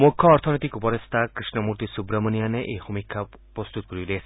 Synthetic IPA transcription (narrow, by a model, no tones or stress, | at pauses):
mukʰːɔːɾt̪ʰɔnɔt̪ikupɔɾest̪ʰakɾisnɔmuɾt̪isubɾamɔnijaneʔehumikʰːa | pɾɔst̪ut̪ɔ̥kɔɾile